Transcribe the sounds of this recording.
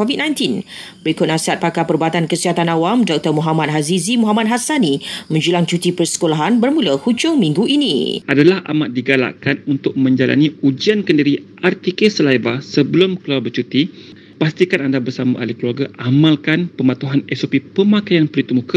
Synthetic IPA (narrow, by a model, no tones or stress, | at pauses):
kovit̚nãjnt̪inbɾikʊt̪̚nasiɦat̪̚pakapərbuat̪ankəsiɦat̪anawamdɔk̚t̪ərmuɦamat̪̚ɦazizimɔɦamat̪̚ɦasanimə̃ɲd͡ʒulaŋt͡ʃut̪ipərsə̥kolaɦanbərmũləhud͡ʒʊŋmĩŋɡuʔinḭʔadalaha̰mat̪̚diɡala̰ʔkanunt̪ʊk̚mə̃ɲd͡ʒalʔa̰niud͡ʒiankəndiɾiʔart̪ekesəlajvasəbəlʊmkəluabət͡ʃut̪i | past̪ikanandabərsamã̰ʔa̰lihkəluarɡaʔamalkanpəmat̪uɦanɛsopipəmakajanpəlit̪umuka